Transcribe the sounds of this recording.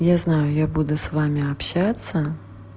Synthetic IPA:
jaznajʊjabud̪ʊsvamʲɪapɕat̪sːə

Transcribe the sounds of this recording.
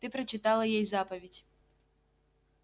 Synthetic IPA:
t̪ɨpɾɐt͡ʃɪt̪alˠɐjɛjzapɐvʲidʲ

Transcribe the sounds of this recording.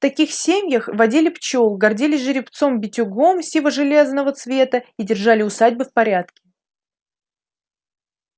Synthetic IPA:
ft̪ɐkʲixsʲemʲjəxvɐdʲilʲɪpt͡ɕolˠɡɐrdʲilʲɪʐɨɾʲɪpt̪so̞mbʲɪtʲʊɡo̞msʲivˠəʐɨlʲe̞znəvət̪svʲe̞t̪əidʲɪrʐalʲɪʊsadʲbɨfpɐɾʲat̪kʲɪ̥

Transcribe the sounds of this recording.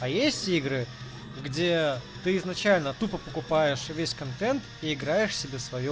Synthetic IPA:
ɐjesʲtʲiɡɾɨ | ɡdʲet̪ɨɪznɐt͡ɕælʲnət̪upəpəkʊpajɪʂvʲesʲkɐnt̪ɛnt̪iɪɡɾajɪʂsʲɪbʲesvɐjo

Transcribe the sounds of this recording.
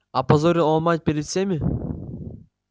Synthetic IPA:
ɐpɐzoɾʲiamat̪̚ʲpʲeɾʲɪt̪fsʲemʲi

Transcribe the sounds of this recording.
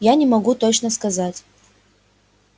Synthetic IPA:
janʲɪmɐɡut̪ot͡ɕnəskɐzatʲ

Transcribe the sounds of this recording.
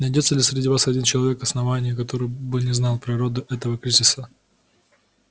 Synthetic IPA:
nɐjdʲo̞t̪səlʲɪsʲɾʲɪdʲivasɐdʲint͡ɕɪlˠɐvʲe̞kɐsnɐvanʲɪjəkɐt̪o̞ɾɨjbɨnʲɪznɑlˠpɾʲɪɾo̞d̪ʊʔɛt̪əvəkɾʲizʲɪsə

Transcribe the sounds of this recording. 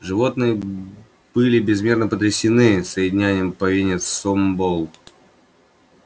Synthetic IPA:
ʐɨvo̞t̪nɨjə | b̥ɨlʲɪbʲɪzmʲe̞rnəpət̪̬ɾʲɪsʲɪnɨsəjɪdʲɪnʲænʲɪjəmpɐvʲinʲɪt̪ssombolˠ

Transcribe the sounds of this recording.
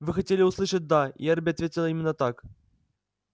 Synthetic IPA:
vɨxɐtʲelʲɪuslˠɨʂət̚ʲd̪aḭerbʲɪat̪vʲetʲɪlʲˠəimʲɪnːət̪ak

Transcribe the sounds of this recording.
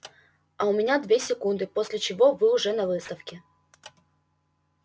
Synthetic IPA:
ɐʊmʲɪnʲad̪vʲesʲɪkund̪ɨposʲlʲɪt͡ɕɪvo̞vɨʊʐɛnɐvɨst̪əfkʲɪ

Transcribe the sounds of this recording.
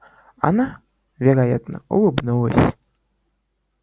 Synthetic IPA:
a̰na | vʲɛɾajat̪nɐ̰ṵlɨbnɨlˠəsʲ

